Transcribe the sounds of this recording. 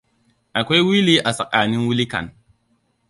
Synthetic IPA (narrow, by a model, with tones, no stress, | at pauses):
a˨kʷe˦wi˦li˦ʔa˨sa˨k̚a˨ni˦nwu˦li˦ka̰˨n